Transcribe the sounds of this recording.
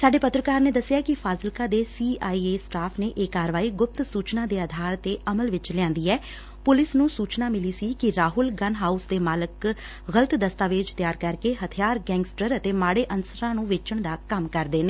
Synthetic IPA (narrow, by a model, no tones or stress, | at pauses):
saːɖeːpət̪ɾəkaːɾneːd̪əsːɪjaːkɪpʰaːzəlkaːd̪eːsiːaːiːeːsʈaːpʰneːʔeːkaːɾʋaːiːɡʊp̚t̪suːt͡ʃnãːd̪eːaːd̪ʱaːɾt̪eːəməlʋɪt͡ʃlãːnd̪iːɛː | pʊlɪsnũːsuːt͡ʃnaːmɪliːsiːkɪɾaːɦʊlɡənɦaːusd̪eːmaːlək | ɣələt̪d̪əst̪aːʋɪt͡ʃt̪jaːɾkəɾkeːɦət̪ʰɪjaːɾɡɛ̃ːŋɡsʈəɾət̪eːmaːɽeːʔənsəɾãːnũːʋɪt͡ʃəɳd̪aːkəmkəɾd̪eːneː